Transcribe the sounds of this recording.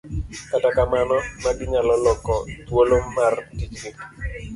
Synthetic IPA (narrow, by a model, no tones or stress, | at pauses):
katakamanɔmaɡɪɲalɔlɔkɔt̪woloːartit͡ʃɡɪ